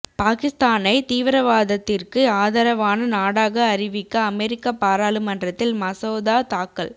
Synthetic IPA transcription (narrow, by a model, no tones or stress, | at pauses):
paːkɪst̪aːnɐɪt̪iːʋɪɾɐʋaːðɐt̪ːɪrkɯaːðɐɾɐʋaːnɐnaːɽaːɣɐːɾɪʋɪkːɐːmɛɾɪkːɐpaːɾaːlɯmɐndrɐt̪ːɪlmɐsoːðaːt̪aːkːɐɭ